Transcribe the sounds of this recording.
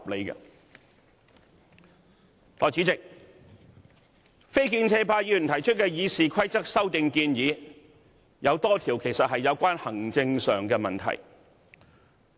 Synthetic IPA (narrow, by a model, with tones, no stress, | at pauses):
p̚le˨˧jkɐ̰˧ | lɔː˨˩jt͡si˨˧˥t͡sɪ˨k̚ | fe˥jkiː˧nt͡sʰɛː˧paː˧jiː˧˩y˨nt̪ʰɐ˨˩jt͡ʃʰɵ˥t̚kɛː˧jiː˨˧siː˨kʰɐ˥jt͡sɐ˥k̚sɐ˥wt̪ɪ˧ŋkiː˧njiː˨˧ | jɐ˨˧wt̪ɔː˥t̪ʰiː˨˩wkʰe˨˩jsɐ˨t̚ɦɐ˨jːɐ˨˧wkʷaː˥nhɐ˨˩ŋt͡sɪ˧ŋsœː˨ŋkɛː˧mɐ˨nt̪ʰɐ̰˨˩j